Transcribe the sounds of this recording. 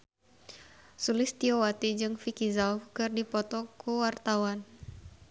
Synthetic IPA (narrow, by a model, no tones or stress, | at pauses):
sulɪst̪iowat̪id͡ʒɨŋfikizafkɨrdipɔt̪ɔkuwart̪awan